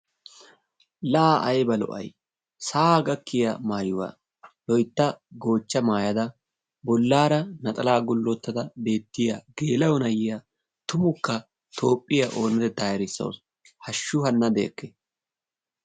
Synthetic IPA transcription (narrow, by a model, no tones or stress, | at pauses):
laaʔɐjbɐlɔ̰ʔɐ̰j | saːɡɐkːɪjɐ̰maːjʊwa̰ː | lɔjt̪ːɐɡo̞ːt͡ʃːɐmaːjɐd̪ɐ | bɔlːaːɾɐnɐt̪ʼɐlaːɡʊlːɔt̪ːɐd̪ɐbe̞ːt̪ːɪjaɡ̥eːlɐwɔnɐjɪja | t̪ʊmʊkːɐ | t̪ʰo̞ːpʼːɪjaʔo̞ːnɪd̪ɛd̪aːjɐɾɪsːɐ̰ws | hɐʃːʊhɐnːɐd̪eːkːɛ